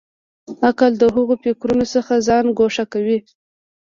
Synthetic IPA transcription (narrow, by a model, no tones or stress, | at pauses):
akald̪əɦʊɣopekɾunosəxazɑnɡoʂakawi